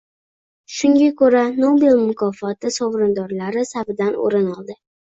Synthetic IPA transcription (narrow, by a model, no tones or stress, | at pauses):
ʃʊŋɡʲakʰɵɾanobelmʊkʰɒfɒt̪ɪsɒvɾɪnd̪ɒɾlaɾɪsavɪd̪ano̰ɾɪnɒlˠd̪ɪ